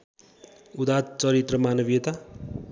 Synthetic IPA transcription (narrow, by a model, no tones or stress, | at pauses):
ud̪at̪t͡sʌɾit̪rʌmanʌbijet̪a